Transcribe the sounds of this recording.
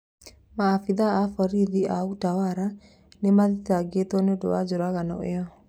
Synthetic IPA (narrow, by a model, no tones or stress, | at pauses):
maːfiðaːfɔɾiðiʔautawaɾa | nemaðitaɡetwɔneodo̰wad͡ʑoɾaɣanɔ̰ḛɔ